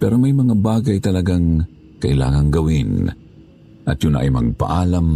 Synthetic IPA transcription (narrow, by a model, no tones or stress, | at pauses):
pɛːɾomajmɐŋabaːɡajt̪ɐlɐɡaŋ | kɐʔɪla̰ːŋaŋɡɐwɪn | ʔɐt̪jʊna̰ʔa̰jmɐɡ̚pa̰ʔaːlam